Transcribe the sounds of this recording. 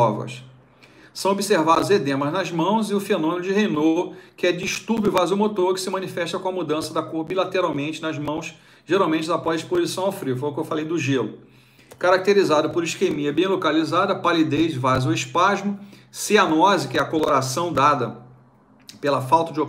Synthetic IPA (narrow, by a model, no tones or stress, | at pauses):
ɔvɐ̰s | sɐ̃w̃obiseɾvad̪ʊzed̪ẽmɐznɐzmɐ̃w̃zɪʊfenõmẽnʊd͡ʒɪɦenokɪɛd͡ʒiʃt̪uɾbjʊvazuwmot̪oɾkɪ̥sɪmɐ̃nifɛʃt̪ɐkõɐmud̪ɐ̃sɐd̪ɐkoɾbilat̪eɾawmẽnt͡ʃɪnɐzmɐ̃w̃s | ʒeɾawmẽt͡ʃɪzapɔziʃpozisɐ̃w̃afɾifɐukɪewfalejd̪ʊʒelʊ̰ | kaɾak̚t̪eɾizad̪ʊpoɾiʃkemiɐbẽj̃lokalizad̪ɐpalid̪ejzɪvazuiʃpaʒmʊseɐnɔzɪkɪɛɐkoloɾasɐ̃w̃d̪ad̪ɐ | pelɐfawt̪ɐd͡ʒɪo